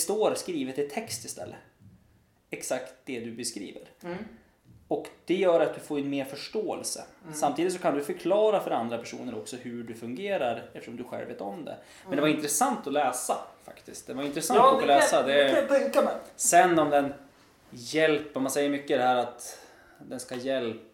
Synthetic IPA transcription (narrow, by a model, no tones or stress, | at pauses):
st̪oːɾskɾiːvət̪ɪt̪ʰːɛkst̪ɪst̪ʰɛ̰lːə | ɛksakt̪̚d̪ɛd̪ɵbɛskɾḭːvə̰ɾ | ɔkd̪̥ɛjœːɾat̪̚d̪ɵfoːɾɛnmeːɾfœʂʈoːɛ̰lsə̰samt̪ʰiːd̪ɪt̪sɔkʰand̪ɵfœɾkʰlɑːɾafœɾand̪ɾapʰæʂṵːnəɾɔksɔhʉɖɵfɵŋɡeːɾaɾɛft̪əʂɔmd̪ɵɧɛ̰lvḛːt̪ɔmd̪ɛ̰ | mɛnd̪ɛvaɾɪnt̪ɾɛsant̪ɔlɛːsafa̰kt̪ɪst̪̚d̪ɛvaɾɪnt̪ɾɛsanlɛːsad̪ɛksɛnːɔmd̪ɛn | jɛlpːəmansɛjːəɾmʏkːəɪd̪ɛhæːɾat̪ | d̪ɛnskajɛlp